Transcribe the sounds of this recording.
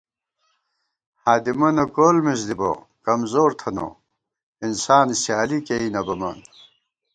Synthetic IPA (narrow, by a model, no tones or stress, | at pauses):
haːd̪imɐnɐkolmis̬d̪ibo̰ | kɐmzoːɾt̪ʰɐno̰ | insaːnsjaːlikeinɐbɐmɐ̰n